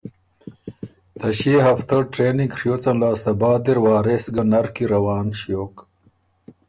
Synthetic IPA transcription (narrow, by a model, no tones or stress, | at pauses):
t̪ɐɕeːɦɐft̪ɐʈɾeːniŋɡʂjoːt͡sɐnlaːst̪ɐbaːd̪iɾwaːɾesɡɐnɐɾkiɾɐwaːnʂjoːk